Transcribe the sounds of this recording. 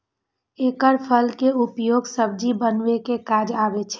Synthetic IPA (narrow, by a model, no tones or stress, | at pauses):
eːkəɾpʰəlkeupjoːɡsəb̚d͡ʒibənʋekekad͡ʒabet͡ʃʰɛ